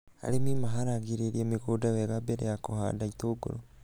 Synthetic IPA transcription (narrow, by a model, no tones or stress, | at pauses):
a̰ɾemimaɦaɾaɣiɾeɾiamiɣodaweɣabeɾejakoha̰daitoːɡo̰ɾo